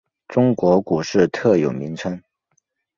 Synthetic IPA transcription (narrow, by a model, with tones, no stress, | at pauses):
ʈ͡ʂʊ˥ŋkwɔ˧˥ku˨˩ʂɻ̩˥˧t̪ʰɤ˥˩jo˨˩ʊmi˧˥ŋʈ͡ʂʰə˥ŋ